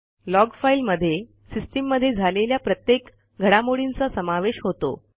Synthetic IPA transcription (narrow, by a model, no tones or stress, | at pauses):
lɔɡfailməd̪ʱːje | sisʈimːəd̪ʱːjed͡zʱaleljapɾət̪jek | ɡʱəɽamoɽint͡sasəmaʋeɕɦot̪o̰